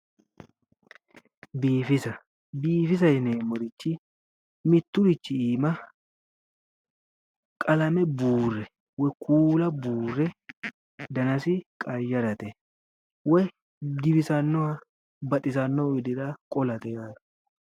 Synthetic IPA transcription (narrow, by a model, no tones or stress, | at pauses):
biːfɪsɐ | biːfɪs̬ɐjɪneːmɔɾɪt͡ʃːɪ | mɪt̪ːʊɾɪt͡ʃːɪiːmɐ | kʼɐlɐmɛbuːrːɛ | wɔjkʰuːlɐbuːrːɛ | d̪ɐnɐsɪkʼɐjːɐɾɐt̪ɛ | wɔj | ɡɪbɪsɐnːɔɐ | bɐt̪ʼɪsɐnːɔɪd̪ɪɾɐkʼɔlɐt̪ɛjaːɐ